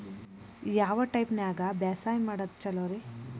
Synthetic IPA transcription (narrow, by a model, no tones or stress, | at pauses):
jaːʋɐʈɐjpnaːɡɐbaːsaːjmaːɽɐt̪̚t͡ʃɐloːɾi